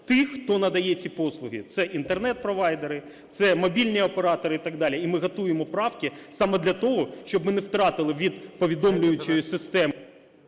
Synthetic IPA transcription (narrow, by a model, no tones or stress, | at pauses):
t̪ɪxxt̪ɔnɐd̪ɐjɛt͡sʲipɔslˠʊɦʲḭt̪sɛʔint̪ernɛt̪̚pɾɔʋɑjd̪eɾɪ | t̪sɛmɔbʲilʲnʲiɔpeɾɑt̪ɔɾɪit̪ɑɡd̪ɑlʲiimɪɦɐt̪ujemɔpɾɑwkʲɪsɑmɛd̪lʲɐt̪ɔɦɔʃt͡ʃɔbmɪnɛwt̪ɾɑt̪ɪlˠɪʋʲid̪pɔʋʲid̪ɔmlʲʊjʊt͡ʃɔjʊsɪst̪ɛm